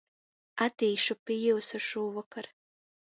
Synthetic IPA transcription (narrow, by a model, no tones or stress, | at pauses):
at̪iːʃupʲijuwsaʃuːvakaɾ